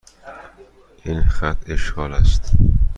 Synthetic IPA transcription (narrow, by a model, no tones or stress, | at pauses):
ʔiːnxæt̪ʰe̞ʃɡɒːlæst̪